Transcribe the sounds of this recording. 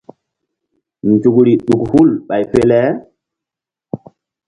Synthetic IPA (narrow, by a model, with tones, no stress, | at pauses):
nd͡ʒu˨kɾi˨ɗu˨khu˦lɓa˨jfe˦lɛ˦